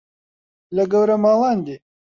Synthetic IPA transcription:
lɐɡɐwɾɐmaːlɑːnd̪e

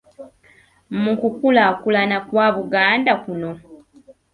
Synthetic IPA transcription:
mukukulakulanakwaβuɡaːndakuno̞

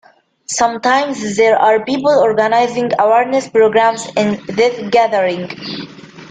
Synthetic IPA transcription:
sʌ̃mtãjmzðɛɹaɹpiːpəlɔɹɡanaɪzɪ̃ŋɡawɛɹnɛspɹoɡɹãmsɪ̃nðɪθɡæðəɹɪ̃ŋɡ

